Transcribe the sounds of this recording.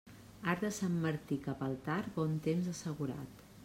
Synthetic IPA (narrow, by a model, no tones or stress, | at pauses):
aɾðəsamːəɾt̪ikapəlˠt̪aɾbɔnt̪emzəsəɣuɾa̰t̪